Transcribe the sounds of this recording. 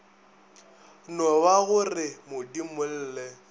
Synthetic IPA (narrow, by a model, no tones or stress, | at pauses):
nɔwaɣʊrɪmʊdimʊl̩ːlɛ